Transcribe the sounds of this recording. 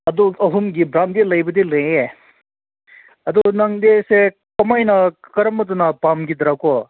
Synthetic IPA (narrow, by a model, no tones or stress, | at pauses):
ɐd̪uɐɦumɡibɾamd̪elɐjbɐd̪ilɐje | ɐd̪unɐŋd̪ese | kɐmajnakɐɾɐmːɐt̪unapamɡid̪ɾakɔ